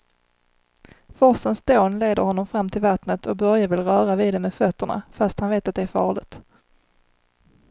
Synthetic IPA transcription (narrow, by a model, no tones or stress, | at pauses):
fɔsənsd̪oːnleːd̪əɾhɔnːɔmfɾamːt̪ʰɪlvat̪nət̪ʰɔk̚bœɾjavɪlɾœːɾaviːd̪ɛmeːd̪fœt̪ːəɳa̰fast̪hanveːt̪at̪d̪ɛæɾfɑːɭɪ̰ɡt̪